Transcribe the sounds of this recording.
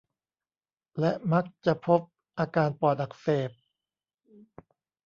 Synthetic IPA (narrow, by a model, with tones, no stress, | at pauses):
lɛ˦˥ʔma˦˥k̚t͡ɕa˨˩ʔpʰo˦˥p̚ | ʔaː˧kaː˧npɔː˨˩t̪̚ʔa˨˩k̚feː˨˩p̚